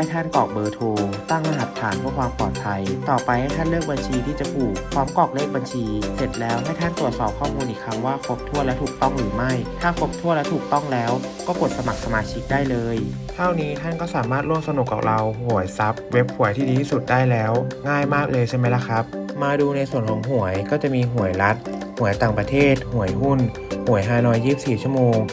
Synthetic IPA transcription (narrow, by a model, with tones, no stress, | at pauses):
a˥˩jt̪ʰa˥˩nkɔː˨˩k̚bɤː˧t̪ʰoː˧t̪a˥˩ŋla˧ɦa˨˩t̪ʰːaː˩˦npʰu˥˩kwaː˧mpɔː˨˩t̪̚pʰa˧jt̪ɔː˨˩pa˧jha˥˩jt̪ʰa˥˩nlɤː˥˩k̚ba˧nt͡ɕʰiː˧t̪ʰiː˥˩t͡ɕa˨˩kuː˨˩k̚pʰɔː˦˥mkɔː˨˩k̚leː˥˩k̚ba˧nt͡ɕʰiː˧se˨˩t̪̚lɛː˦˥wɦa˥˩jt̪ʰa˥˩nt̪ɾu˨˩t̪̚sɔː˨˩p̚kʰɔː˥˩muː˧nʔiː˨˩kʰa˦˧˥mwaː˥˩kʰo˦˥p̚t̪ʰu˥˩əlɛ˦˥wt̪ʰuː˨˩k̚t̪ɔ˥˩ŋɾɯː˩˦ma˥˩jt̪ʰaː˥˩kʰo˦˥p̚t̪ʰu˥˩ətlɛ˦˥t̪ʰuː˨˩k̚t̪ɔ˥˩ŋlɛː˦˥w | kɔː˥˩ko˨˩t̪̚sa˧ma˨˩k̚sa˧maː˧t͡ɕʰi˦˥k̚daː˥˩jlɤː˧j | t̪ʰaː˥˩wniː˦˥t̪ʰa˥˩nkɔː˥˩saː˨˩˦maː˥˩t̪̚ɾu˥˩əmsa˧nu˨˩kːa̰˨˩ɾa˧whu˨˩˦əjsa˦˥p̚we˦˥p̚hu˨˩˦əjt̪ʰiː˥˩diː˧t̪ʰiː˥˩su˨˩t̪̚daː˥˩jlɛː˦˥wŋaː˥˩jmaː˥˩k̚lɤː˧jt͡ɕʰa˥˩ma˦˥jla˧˥kʰɾa˦˥p̚maː˧duː˧na˧jsu˨˩ənkʰɔː˨˩˦ŋɦu˨˩˦əjkɔː˥˩t͡ɕa˨˩ʔmiː˧ɦu˨˩˦əjla˦˥t̪̚hu˨˩˦əjt̪aː˨˩ŋpɾa˧t̪ʰeː˥˩t̪̚hu˩˦əjɦu˥˩n | hu˨˩˦əjɦaː˧˩nɔː˦˥jːiː˥˩si˨p̚siː˨˩t͡ɕʰu˥ə˧˩moː˧ŋ